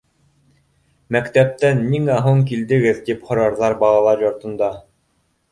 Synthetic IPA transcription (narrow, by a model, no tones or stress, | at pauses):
mækt̪æp̚t̪ænːiŋæɦuɴk̬ild̪ɘ̆ɡɘðt̪iphŏɾɑɾðɑɾbɑlˠɑlˠɑɾjŏɾt̪ɤ̆nd̪ɑ